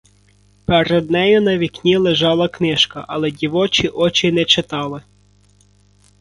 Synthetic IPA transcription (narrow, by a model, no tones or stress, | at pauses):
peɾɛd̪̚nɛjʊnɐʋʲiknʲilˠeʒɑlˠɐknɪʃkɐ̰ʔɐlˠɛdʲiʋɔt͡ʃʲiʔɔt͡ʃʲɪnɛt͡ʃɪt̪ɑlˠɪ